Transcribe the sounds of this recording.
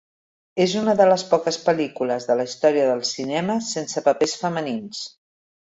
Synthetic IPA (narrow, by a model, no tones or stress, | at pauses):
ezunəðələspɔkəspəlikuləzðələist̪ɔɾiəðəlˠsinɛməsensəpəpesfəmənins